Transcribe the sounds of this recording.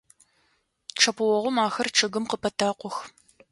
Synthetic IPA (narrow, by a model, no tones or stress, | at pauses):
ʈ͡ʂʰɐpʰɨwɔʁʷʊmaːxɐrʈ͡ʂʰɐɣɨmqəpʰɐtʰaːqʷɔx